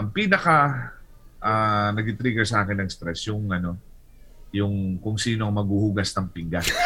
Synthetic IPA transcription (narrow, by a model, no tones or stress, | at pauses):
ʔɐŋpiːnɐkɐ | ʔaːnɐɡɪt̪ɾiːɡɛɹsɐʔaːkɪnːɐŋst̪ɾɛsjoŋɐno̞ | jʊŋkʊŋsiːnoɐŋmɐɡ̚huhuɡɐsnɐŋpɪŋɡas